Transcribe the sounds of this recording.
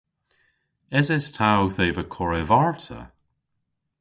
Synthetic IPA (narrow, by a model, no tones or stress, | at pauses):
ɪzɪstʰawθeːvəkʰɔɹɛvaɹtʰə̰